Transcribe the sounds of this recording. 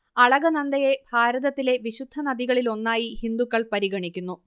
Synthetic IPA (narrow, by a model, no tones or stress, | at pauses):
ɐɭɐɣɐnɐnd̪ɐje̞bʱaːɾɐðɐt̪ːile̞ʋiɕud̪ʱːɐnɐðiɣɐɭilo̞nːaːjihind̪ukːɐɭpɐɾiɣɐɳikʲːunːu